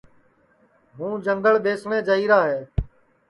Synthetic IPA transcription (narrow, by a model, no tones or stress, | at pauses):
ɦũːd͡ʒəŋɡəɭɓeːsɳẽːd͡ʒəiːɾaːɦeː